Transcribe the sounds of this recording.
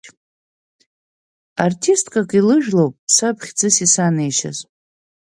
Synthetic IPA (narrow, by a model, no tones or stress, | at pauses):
artʰistʰʼkʼakʼilɨʒᶣlowpʼsapʰχʲd͡zɨsisanejʃa̰z